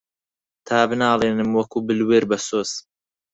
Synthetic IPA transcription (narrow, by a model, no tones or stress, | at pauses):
t̪ʰaːbɨnaːleːnɨmwɐkuːbɨlweːɾbɐsoːz